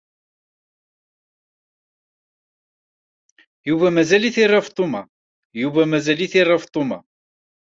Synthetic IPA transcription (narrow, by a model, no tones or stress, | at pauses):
juvæmæzæliθirˤːɑft̪ˤːʊmɑ | juvæmæzæliθirˤːɑvt̪ˤːʊmɑ̰